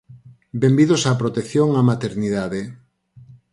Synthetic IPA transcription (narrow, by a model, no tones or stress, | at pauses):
bembiðosapɾot̪ekθjoŋamat̪eɾniðaðe